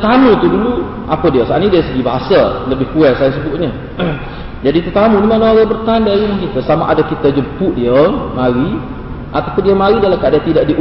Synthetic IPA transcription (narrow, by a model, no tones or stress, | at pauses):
t̪anut̪udulu | ʔapədiəsaanidiasəɡibaɦasaləbɪhkuɛt̪saans̬əbʊʔ̪̚ɲə | d͡ʒadit̪ut̪amunimanaaɡabərt̪aandaɾiməŋkinkəsamaʔadakit̪ad͡ʒəmpʊʔdiəmaɾi | ʔat̪awpʊndiəmaɾidalamkaadat̪idaʔdiʔ